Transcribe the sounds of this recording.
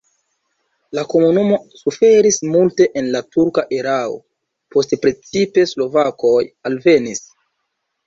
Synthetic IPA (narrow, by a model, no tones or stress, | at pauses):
lako̞munumo̞sufe̞ɾismulte̞ʔenlatuɾkaʔeɾao̰ | po̞stpɾe̞t͡sipe̞slo̞vako̞jalve̞nis